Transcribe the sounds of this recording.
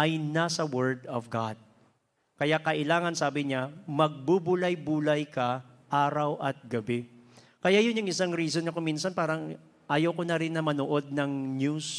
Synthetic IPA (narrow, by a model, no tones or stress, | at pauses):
ʔɐjnasɐwɛɹd̪ɔvɡad̪̚ | kɐjakɐʔɪlaːŋɐnsaːbɪɲamɐɡ̚bubʊlɐjbuːlɐjkɐ | ʔaːɾɐwʔɐt̪̚ɡɐbɛ | kɐjajʊnjʊŋɪsaŋɾiːs̬onɐkomiːnsɐnpaːɾɐŋ | ʔɐjowkonɐɾɪnːɐmɐnoʔo̞d̪̚nɐŋɲjus